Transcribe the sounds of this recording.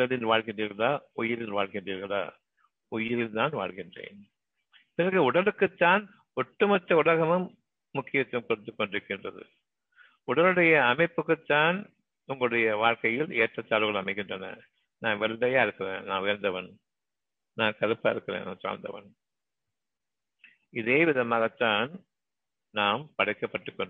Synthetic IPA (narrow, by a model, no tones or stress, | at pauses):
ʊɽɐlɪnʋaːɭɣɪndriːɾɣɐɭaːʊjɪɾɪlʋaːɭɣɪndriːɾɣɐɭa̰ː | ʊjɪɾɪlt̪aːnʋa̰ːɭɣɪndrḛːn | pɪnɐɣɯʊɽɐlɯkːɯt̪ːaːn | ɔʈːɯmɐt̪ːɐʊɭɐɣɐmɯmː | ʊkːɪjɐt̪ːɐmkɔɽɯt̪ːɯkːɔɳɖɪɾɯkːɪndrɐ̰ðɯ̰ | ʊɽɐlɯɽɐjɐːmɐɪpːɯkːɯt̪ːaːn | ʊŋɡɐɭɯɽɐjɐʋaːɻkɐjɪleːʈrɐt̪ːaːlɯɣɐɭɐmɐɪkːɪndrɐnɐ̰ | naːnʋɛɭɖɐjaːɪɾɯkːɯrḛːnna̰ːnʋɪjɐɾnd̪ɐʋɐn | naːnkɐɾɯpːaːɪɾɯkːɪɾḛːna̰ːnsa̰ːnd̪ɐ̰ʋɐ̰n | ɪðeːʋɪðɐmaːɣɐt̪ːaːn | naːmpɐɽɐɪkːɐpːɐʈːɯkːɔɳ